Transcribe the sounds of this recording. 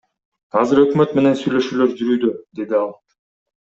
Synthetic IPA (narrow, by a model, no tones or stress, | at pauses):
ɑzɯɾø̞kmø̞t̪me̞ne̞nsyjlø̞ʃyːløɾd͡ʒyɾyːd̪ød̪e̞d̪iɑlˠ